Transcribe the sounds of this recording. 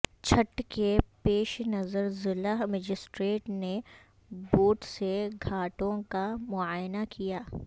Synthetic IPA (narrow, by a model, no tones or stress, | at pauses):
t͡ʃʰɐʈkepeːʃnɐzəɾzɪlaɦməd͡ʒɪsʈɾeːʈne | boːʈseɡʱaːʈõkamʊaːjnakijaː